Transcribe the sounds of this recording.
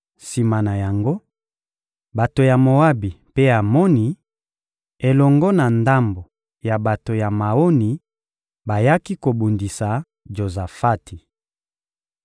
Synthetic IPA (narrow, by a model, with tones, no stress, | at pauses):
si˨ma˨na˨ja˨ŋɡo˦ | ba˨to˨ja˨mo˨a˦bi˨pe˦a˨mɔ˦ni˦ | e˨lɔ˨ŋɡɔ˦na˨nda˦mbo˨ | ja˨ba˨to˨ja˨ma˨o˦ni˨ | ba˨ja˦ki˦ko˨bu˨ndi˨sa˨ | d͡ʒo˨za˨fa˦ti˨